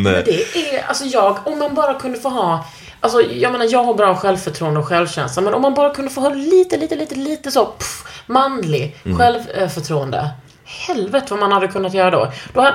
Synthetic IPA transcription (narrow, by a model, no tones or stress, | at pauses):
mɛnd̪ɛɛa̰lsɔjɑːɡɔmːanbɑːɾakʰɵnd̪əfoːɦɑː | ʔalsɔjɑɡmeːnaɾjɑːɡhabɾɑːɧɛlvfœʈʰɾuːənd̪əɔɧɛlvɕɛ̰nslamɛnɔmːanbɑːɾakʰɵnd̪əfoːɦɑːliːt̪əliːt̪əliːt̪əliːt̪əsopmanlɪɧɛlvfœʈʰɾuːənd̪ə̰ | hɛlvɛt̪əvamanhad̪ːəkʰɵnːat̪jœːɾad̪o̰d̪̥ɔha